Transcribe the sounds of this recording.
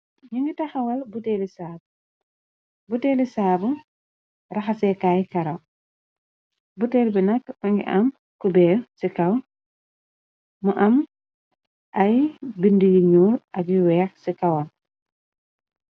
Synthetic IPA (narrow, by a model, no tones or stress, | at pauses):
ɲuŋɡitɐxɐwɐlbutɛlisaːbu | buteːlisaːbuŋ | rɐxasɛkaːjkɐɾɐw | butelbinɐkuŋɡḭʔɐm | kubɛːsikɐw | muʔɐm | ʔɐjbindijiɲuːlʔɐɡjiwɛːxsikɐwɔn